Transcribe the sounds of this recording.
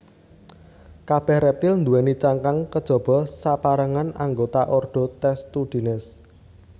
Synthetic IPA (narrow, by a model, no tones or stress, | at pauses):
kab̥ɛ̤hrɛp̚t̪ɪlnd̪uwɛnit͡ʃaŋkaŋkəd̥ʒ̥ɔ̤b̥ɔ̤sapaɾəŋana̰ŋɡot̪aʔɔrɖ̪̥ɔ̤t̪ɛst̪ud̪̥i̤nɪs